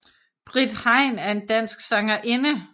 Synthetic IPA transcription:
b̥ʁid̥hɑ̈ɪ̰næɐe̝nd̥æn̰sɡ̥sɑ̈ŋɐʔenə

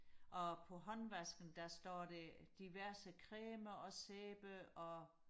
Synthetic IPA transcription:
ʔɒ̽pʰɒ̽ɦɒ̽nʋæsɡ̥n̩d̥æsd̥ɒ̰ːd̥ed̥iʋæɐ̰səkʰʁeːmɐɒ̽seːb̥əɒ̽

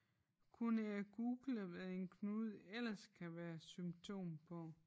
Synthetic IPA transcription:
kʰunəæɡ̥uːɡ̥ləʋeðˠe̝nkʰnuːð̞̩ˠel̰ɐskʰæʋæːɐsymt͡sʰo̝̰ːmpʰɒ̽

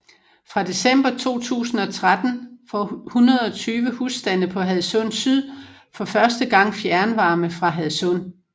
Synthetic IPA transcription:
fʁɑ̈d̥e̝sem̰b̥ɐt͡sʰo̝̰ːt͡sʰṵːsn̩ɒ̽t͡sʰʁad̥n̩fɒhunɐð̞ˠɒ̽t͡sʰyːʋəhusd̥ænəpʰɒ̽ɦæðˠsɔnsyð̰ˠ | fɒ̽fɶɐsd̥əɡ̥ɑ̈ŋ̰fjæɐnʋɑ̈ːməfʁɑ̈ɦæðˠsɔ̽n̰

